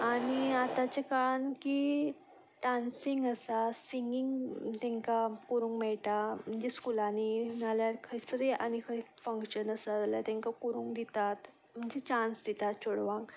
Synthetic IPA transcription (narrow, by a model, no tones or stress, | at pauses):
aɽiat̪at͡ɕakaɭanki | ʈansiŋɡəsasiŋɡiŋɡt̪ɛ̃ŋkakoɾũŋkmɛɭʈam̤əɳd͡ʑeskulãninaljaɾkʰəjt͡səɾeʔa̰ñikʰəj | fəŋkɕənəsad͡zljat̪ɛ̃ŋkakoɾũŋkd̪it̪at̪ | m̤əɳd͡ʑet͡ɕãnsd̪it̪at̪̚t͡ɕʰoɽʋãŋɡ